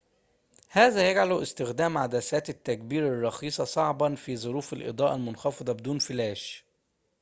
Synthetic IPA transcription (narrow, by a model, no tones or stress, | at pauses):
hæːzæjæɡʕalʊʔɪst̪ɪxd̪æːmʕad̪æsæːt̪ɪt̪ːæk̚biːɾɑrˤːɑxiːsˤɑsˤɑʕbɑnfiːzˤʊɾuːfelʔḛd̪ˤɑːʔɑlmʊnxɑfɑd̪ˤɑbed̪uːnfɪlæːʃ